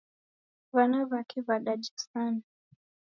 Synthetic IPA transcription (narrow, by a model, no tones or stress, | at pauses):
vanaβakɛβaɗad͡ʒisana